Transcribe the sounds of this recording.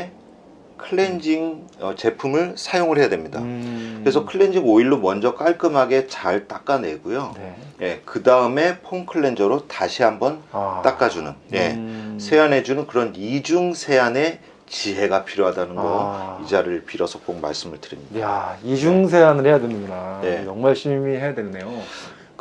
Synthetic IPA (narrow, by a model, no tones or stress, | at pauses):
kʰɯɭːend͡ʑiŋʌt͡ɕe̞pʰumɯɭsʰajoŋɯɭɦe̞jadwe̞mɲidakɯɾesʰʌkʰɯɭːe̞nd͡ʑiŋoiɭːomʌnd͡ʑʌk͈aɭk͈ɯmɦaɡe̞t͡ɕaɭt͈ak͈ane̞ɡujoje̞kɯdaɯme̞pʰoŋkʰɯɭːe̞nd͡ʑʌɾotaɕʰiɦambʌnt͈ak͈ad͡ʑunɯnje̞̰sʰe̞ane̞d͡ʑunɯnkɯɾʌnid͡ʑuŋsʰe̞ane̞ | t͡ɕiɦe̞ɡapʰiɾjoɦadanɯnɡʌid͡ʑaɾɯɭpiɾʌsʰʌk͈oŋma̰ɭs͈ɯmɯɭtɯɾimɲidaid͡ʑuŋsʰeanɯɭhejadwenɯɡunane̞t͡ɕʌŋmaɭɕʰimiɦe̞jadwennːe̞jo